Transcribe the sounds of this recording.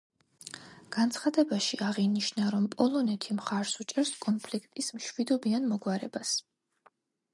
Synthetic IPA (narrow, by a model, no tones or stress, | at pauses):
ɡ̥ant̪sʰχad̪ɛbaʃiaʁiniʃnaɾɔmpʼɔlˠɔnɛt̪ʰimχaɾsut͡ʃʼɛɾskʼɔnpʰlikʰt̪ʼismʃwid̪ɔbianmɔɡwaɾɛbas